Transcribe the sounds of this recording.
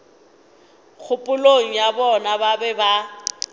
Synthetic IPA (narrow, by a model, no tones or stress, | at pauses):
k͡xʰʊpʼʊloŋ̩jabɔnababɛba